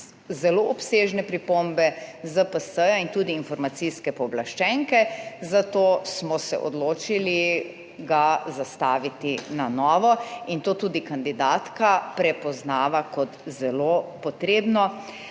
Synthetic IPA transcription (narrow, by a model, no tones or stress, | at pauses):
zɛloɔpseːʒnɛpɾipombɛzəpəsəjaint̪uːd̪iːnfɔɾmat̪siskɛpɔblaʃt͡ʃɛŋkɛzat̪oːsmɔsɛ̰ʔɔ̰d̪loːt͡ʃili | ɡazast̪aːʋit̪inanɔːʋɔint̪oːt̪ud̪ikand̪id̪aːt̪kapɾɛpɔznaːʋakɔt̪zɛlopɔt̪ɾeːbnɔ